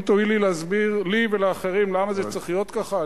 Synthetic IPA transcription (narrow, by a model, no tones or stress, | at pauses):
t̪oilileazbiʁliveleaːχeʁimlamazet͡sʁeχlijo̞t̪kaχa